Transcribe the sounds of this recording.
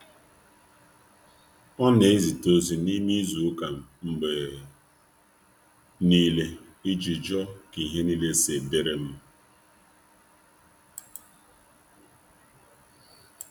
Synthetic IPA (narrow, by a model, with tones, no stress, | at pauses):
ɔ˦ne˨e˦zi˨to˦zi˨ni˦mi˦zu˨˦ka˨m˨ŋ͡m̩˨ɡ͡be˨ | ni˦le˦ | i˦d͡ʒi˨d͡ʒɔ˦ki˨ɦe˦ni˦le˦se˨de˦ɾe˨m̩˦